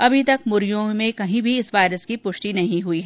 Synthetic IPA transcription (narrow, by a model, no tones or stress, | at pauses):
ɐbʱit̪ɐk̚mʊɾjõmẽkɐɦĩbʱiɪsʋaːɪɾəskipʊʃʈinɐɦĩɦuiɦɛː